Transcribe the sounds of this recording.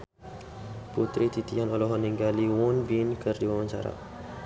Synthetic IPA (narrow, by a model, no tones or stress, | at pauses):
put̪ɾit̪it̪ianɔlɔɦɔniŋɡaliwɔnbinkərdiwamaɲt͡ʃa̰ɾa̰